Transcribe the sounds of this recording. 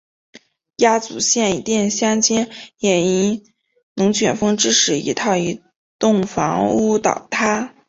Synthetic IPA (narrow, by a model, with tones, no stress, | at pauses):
ja˥t͡sṵ˧˩ɕjɛ˥˩ni˧˥t̪jɛ˥˩nɕjɑ˥ŋt͡ɕɛ˥njɛ˨˩ni˧˥ | nɤ˧˥ŋt͡ɕʰɥɛ˨˩nfɤ˥ŋʈ͡ʂɻ̩˥ʂɻ̩˨˩ḭ˧˥t̪ʰɑ˥˩ʊi˧˥ | t̪ʊ˥˩ŋfɑ˧˥ŋu˥t̪ɑ̰˨˩˦ʊt̪ʰa˥